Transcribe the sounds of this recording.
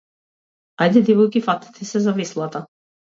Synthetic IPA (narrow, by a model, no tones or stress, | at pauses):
ajd̪ɛd̪ivɔjkifat̪i̥t̪ʰɛsɛzavislˠat̪a